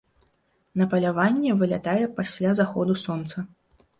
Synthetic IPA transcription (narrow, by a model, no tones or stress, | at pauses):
nɐpɐlʲavanʲːɛvɨlʲat̪ajɛpasʲlʲazaxɔd̪usɔnt̪sɐ